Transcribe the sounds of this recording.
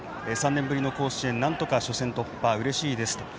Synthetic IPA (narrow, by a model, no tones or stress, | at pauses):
esãnːẽ̞mbɯ̟ɾʲino̞ko̞ːɕiẽ̞nːãnt̪o̞kaɕo̞sẽnt̪o̞pːaɯ̟ɾe̞ɕiːd̪e̞sɨ̥t̪o